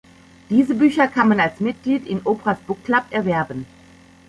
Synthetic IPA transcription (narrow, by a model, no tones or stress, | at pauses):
d̥iːzəbyːçɐkʰanmanalsmɪt̚ɡ̥liːtɪnʔoːpʁasb̥ʊklapɛɐvɛɐbən